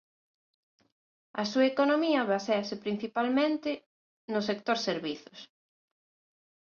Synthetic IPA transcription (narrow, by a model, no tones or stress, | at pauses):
ɐsuɐekonomiɐβaseɐsɪpɾin̟θipalmẽnt̪ɪ | nʊsek̚t̪oɾseɾβiθʊs